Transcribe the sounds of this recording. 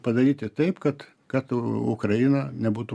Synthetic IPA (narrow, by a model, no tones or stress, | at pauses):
pɐd̪ɐɾʲiːt̪ʲɪt̪ɐɪpkɐt̪ | kɐt̪ʊkrɐɪnɐnʲɛbuːt̪u